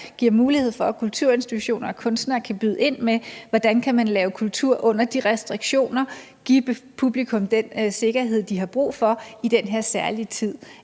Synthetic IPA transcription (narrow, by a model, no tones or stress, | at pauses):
ɡ̥iɐ̰muːlihe̝ð̰ˠfɒ̽kʰult͡sʰuɐe̝nsd̥it͡sʰuɕo̝̰ːnɐɒ̽kʰɔ̽nsd̥nɐkʰæb̥yð̞ˠe̝n̰meʋɒd̥ænkʰæmænlɛːʊkʰult͡sʰuɐ̰ʔɔ̽n̰ɐd̥iʁɛsd̥ʁiɡ̥ɕo̝̰ːnɐ | ɡ̥i̥pʰub̥likʰɔ̽md̥ense̝ɡ̥ɐɦe̝ð̞̰ˠd̥iɦɑ̈b̥ʁṵːfɒ̽id̥enɦeɐ̰sæɐlit͡sʰið̞̰ˠ